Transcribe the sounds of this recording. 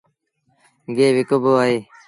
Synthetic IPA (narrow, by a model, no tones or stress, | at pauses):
ɡeːʋɪkoboːaːɦeː